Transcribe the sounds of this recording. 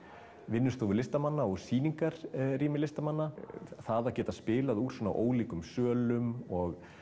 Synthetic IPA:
vɪnːʏst̪oːwvʏɾlɪst̪amanːaɔɣsiːniŋkaɾriːmɪlɪst̪amanːaθaðacɛːt̪aspɪːlaðuɾ̥sɛna̰wʔoːwliːkʏmsœːlʏmɔɣ

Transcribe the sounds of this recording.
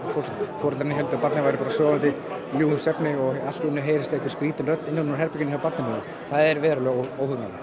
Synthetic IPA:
fofɔːɾt̪lɾnɪɦɛlt̪ʏpat̪nɪvajɾɪpaːɾasɔːɣant̪ɪ | ljuːʏmsɛpnɪɔal̥t̪iɪnːʏɦeːjɾɪst̪aɛhkvɪ̥skɾiːt̪ɪnrœt̪nɪnːɪnɔɾɦɛɾpɛcɪnapat̪nɪnɪːnʏ | θaðɛɾvɛːɾʏlɛːɣoːwhʏŋalɛt̪

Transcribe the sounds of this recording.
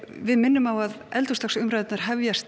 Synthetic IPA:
vɪðmɪnːʏmawaðɛlt̪ust̪aksʏmɾajt̪naɾ̥ɦɛvjast̪

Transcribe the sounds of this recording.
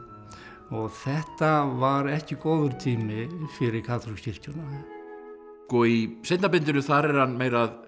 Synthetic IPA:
ɔɣθɛht̪avaɾɛhcɪkoːwðʏɾ̥t̪ʰiːmɪfɪɾɪɾkʰaːt̪ɾuscɪl̥c̪ɔna | kɔisejt̪napɪnt̪ɪnʏθaɾɛɾ̥hanmeːjɾað

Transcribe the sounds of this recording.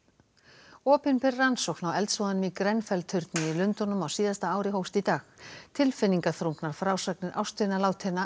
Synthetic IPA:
ɔːpɪnpɪrːansɔwknawɛlt̪svɔðanʏmikɾɛnfɛlt̪ʰʏɾt̪nɪilʏnt̪ɔnʏmawsiːðast̪aaːwɾɪɦowst̪it̪aːxt̪ʰɪlfɪnːiŋkaθɾuŋknaɾ̥fɾaːwsaknɪɾʔa̰wst̪ɪnalaːwt̪ʰɛnːa

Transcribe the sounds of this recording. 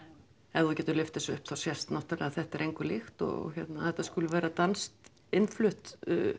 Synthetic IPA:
ɛðɔcɛːt̪ʏɾlʏft̪ɪsɔʏhpθawsjɛst̪naht̪alɛ̰ːɣaθɛht̪ɛɾejŋkvʏɾlɪxt̪ɔ̰ɣɔ̰çɛt̪naθɛht̪askʏːlʏvɛːɾat̪anst̪ | ɪnflʏht̪ʏ̰

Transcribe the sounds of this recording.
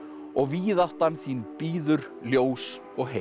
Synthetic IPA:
ɔɣviːðaht̪anθiːnpiːðʏɾ | ljoːws | ɔɣɦe

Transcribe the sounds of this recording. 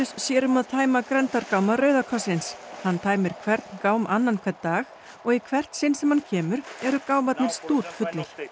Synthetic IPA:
ʏssjɛːɾʏmaðt̪ʰaːjmakɾɛnt̪aɾkawmaɾœːɥðakʰɔsɪnshanːt̪ʰaːjmɪɾ̥kʰvɛɾt̪nkaːwmʔanːankʰɛɾt̪t̪aːɣ | ɔɣikʰvɛr̥t̪sɪnsɛmhancʰɛːmʏɾɛɾʏkaːwmat̪nɪɾ̥st̪uːt̪fʏt̪lʏɾ̥

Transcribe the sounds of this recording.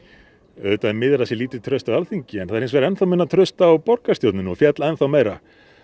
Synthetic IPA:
œðt̪aɛɾmɪðɾasjɛliːt̪ɪt̪ʰɾœɥst̪awalθiɲcɪɛnθaɾejnsvɛɾɛnθawmɪnːat̪ʰɾœst̪aːwpɔɾkast̪jowt̪nʏnɔfjɛt̪laɛnθawmeːjɾa

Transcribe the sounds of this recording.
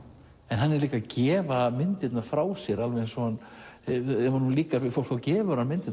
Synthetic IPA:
ɛnɦanːɛɾliːkacɛːvamɪnt̪ɪt̪nḁfɾaːwsjɛɾalvɛɪnsɔan | ɛvaɾhunliːkaɾvɪðfowl̥kfawcɛːvʏɾamɪnt̪ɪt̪

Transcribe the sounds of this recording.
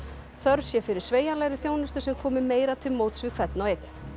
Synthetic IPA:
θœɾsjɛfɪɾɪɾ̥sveːjanlɛːɣɾɪθjownʏst̪ʏ̥sɛmkʰɔːmɪmeːjɾat̪ʰɪlmoːwt̪svɪkʰv̥ɛt̪̚nɔwejt̪n̥

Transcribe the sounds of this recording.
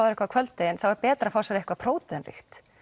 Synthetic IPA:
avaɾɪhkvakʰv̥œlt̪t̪ejɪnθawvaɾpɛːt̪ɾafawsaɪhkvapʰɾoːwt̪ɪnrɪ̰xt̪

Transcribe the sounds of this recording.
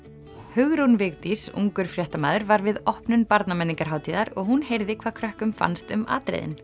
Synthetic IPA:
hʏɣɾunvɪɣt̪isṵŋkʏɾ̥fɾjɛht̪amaːðʏɾvaɾvɪðɔhpnʏnpaɾt̪namɛnːiŋkaɾ̥ɦaːwt̪ʰiːðaɾɔɣhunhejɾðɪkʰv̥aːkʰɾœhkʏmfa̰nst̪ʏma̰ːt̪ɾḛjðɪ̰n

